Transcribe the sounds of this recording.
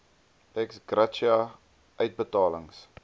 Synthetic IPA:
ɛksɡrat͡ʃia | ʔœɥt̚bətɑːlə̰ŋs

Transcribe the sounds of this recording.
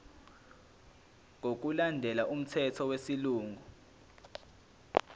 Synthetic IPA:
ŋʱok̬ulandʱɛlaʔum̩tʰɛtʰɔwesiluːŋʱu

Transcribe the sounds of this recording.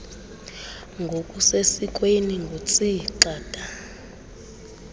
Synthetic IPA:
ŋɡʱokʼusesik̬ʼweniŋɡʱot͡sʼiǃaːtʼa

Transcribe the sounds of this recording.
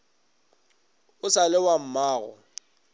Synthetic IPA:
ʊsalɪwam̩maːɣɔ̰

